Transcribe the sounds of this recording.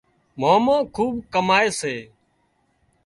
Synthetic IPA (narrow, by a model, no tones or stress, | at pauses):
moːmõːkʰuːbkəmaːeːseː